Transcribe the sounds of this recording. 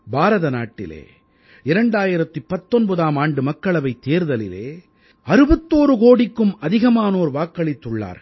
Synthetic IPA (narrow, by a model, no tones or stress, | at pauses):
baːɾɐðɐna̰ːʈːɪ̰lḛː | ɪɾɐɳɖaːjɪɾɐt̪ːɯpːɐt̪ːɔnbɐðaːmaːɳɖɯmɐkːɐɭɐʋɐɪt̪ːeːɾðɐlɪlḛː | ɐɾɯbɐt̪ːoːɾɯkoːɽɪkːɯmɐðɪɣɐmaːnoːɾʋaːkːɐɭɪt̪ːɯɭːa̰ːɾ